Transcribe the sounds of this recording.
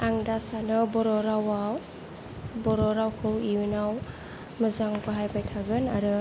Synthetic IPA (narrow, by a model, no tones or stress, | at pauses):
aŋdasanɯbɔɾɔɾawaw | bɔɾɔɾawkʰɯwiunaw | mɯzaŋpɯɦajbajtʰaɡɯnaɾɯ